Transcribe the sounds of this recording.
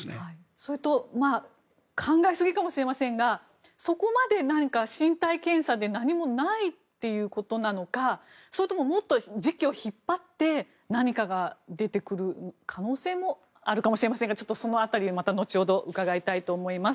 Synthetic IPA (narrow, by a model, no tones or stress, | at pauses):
snḛhai | so̞ɾɯt̪o̞ma | kʰãŋɡaesɨɡʲikamo̞ɕiɾe̞masẽŋɡa | so̞ko̞mad̪e̞naɲ̟ikaɕĩnt̪aikẽ̞ɰ̃sad̪e̞naɲ̟imo̞nait̪ːe̞jɯ̟ːko̞t̪o̞nano̞ka | so̞ɾɯ̟t̪omo̞mo̞t̪ːo̞d͡ʑikʲio̞çipːat̪ːe̞ | naɲ̟ikaɡad̪e̞t̪e̞kɯ̟ɾɯ̟kʰano̞ːse̞ːmo̞ | aɾɯ̟kamo̞ɕiɾe̞masẽŋɡat͡ɕo̞t̪ːo̞so̞no̞at̪aɾʲimat̪ano̞t͡ɕiod̪o̞ʔɯ̟kaɡait̪ait̪o̞ːmo̞imas